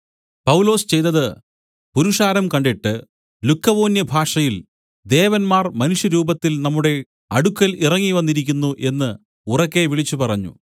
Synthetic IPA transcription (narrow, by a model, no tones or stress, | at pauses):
pɐwlo̞ːst͡ɕe̞jt̪ːɐðɨ | puɾuʂaːɾɐmkɐɳɖiʈːɨ | lukːɐʋo̞ːnjɐbʱaːʂɐjil | d̪e̞ːʋɐnmaːrmɐnuʂjɐɾuːbɐt̪ːilnɐmːuɽe̞ | ɐɽukːɐlirɐŋːiʋɐnːiɾikʲːunːuʔe̞nːɨ | urɐkːe̞ʋiɭit͡ɕːupɐrɐɲːṵ